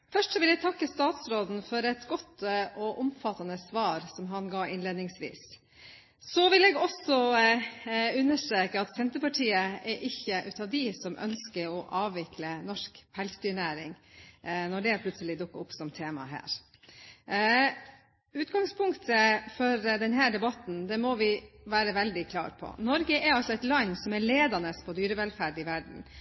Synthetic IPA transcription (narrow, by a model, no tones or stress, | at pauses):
fœʂʈsɔʋɪlɛɡ̚t̪ʰɑkːəst̪ɑːt̪sɾoːd̪n̩fɔɾɛt̪ɡɔt̪ːʔɔʔɔmfɑt̪ːɑnəsʋɑːɾsɔmɦɑnɡɑːɪnleːd̪nɪŋsʋḭːs | sɔʋɪlɛːɡɔsɔ | ʉnːəʂʈɾeːkəɑt̪sɛnt̪əpɑʈʰiːəɛɾʔɪçəʔʉːt̪ɑːʋd̪ɪsɔmʔœ̰nskəɾɔʔɑːʋʋɪkʰlənɔʂkpʰɛlsd̪yːɳæːɾɪŋ | nɔɖɛpʰlʉt̪səlɪd̪ʊkːəʊpsɔmt̪ʰeːmɑ̰ɦæ̰ːɾ | ʉːt̪ɡɑŋspʊŋkt̪ʰəfɔɾd̪ɛnɦæːɖ̪ɛbɑt̪n̩d̪ɛmɔʋɪʋæːɾəʋɛld̪ɪkʰlɑ̰ːɾpʰɔ̰nɔɾɡəʔɛɾɑlsɔɛt̪lɑnːsɔmɛɭeːd̪ɑnəspʰɔd̪yːɾəʋɛlfæːɖɪʋæɖɳ̩